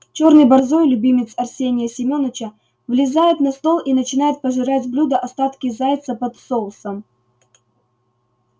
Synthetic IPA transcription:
t͡ɕo̞rnɨjbɐrzojlʲʊbʲimʲɪt̪sɐrsʲenʲɪjəsʲɪmʲo̞nət͡ɕə | vlʲɪzajɪt̪nɐst̪o̞lˠʔinət͡ɕɪn̪ajɪt̪̚pəʐɨɾatʲblʲud̪əʔɐst̪at̪kʲɪzajɪt̪səpɐt̪solˠsəm

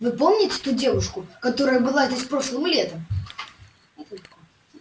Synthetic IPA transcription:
vɨpomnʲɪtʲɪ̥t̪udʲe̞vʊʂkʊkɐt̪o̞ɾəjəbɨlˠaɛt̪ɐsʲpɾo̞ʂlˠɨmlʲet̪əm | t̪

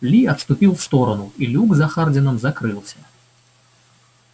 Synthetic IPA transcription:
lʲiɐt̪st̪upʲilˠfst̪ɔɾɐnuilʲuɡzɐxard͡zʲɪnɐmzakɾɨlˠsʲɐ

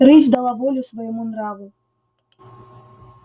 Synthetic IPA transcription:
ɾɨzʲd̪ɐlˠavɔlʲusvɐjɔmunɾavu

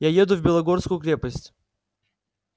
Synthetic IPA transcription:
jajed̪ʊvbʲɪlˠɐɡorskʊjʊkɾʲepəsʲtʲ

